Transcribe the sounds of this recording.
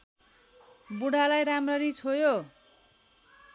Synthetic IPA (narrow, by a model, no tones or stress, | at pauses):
buɽalajɾamrʌɾit͡sʰojo